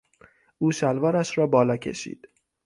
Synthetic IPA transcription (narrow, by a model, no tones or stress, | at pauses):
ʔuːʃælvɒːɾæʃɾɒːbɒːlɒːcʰe̞̰ʃḭːd̪̥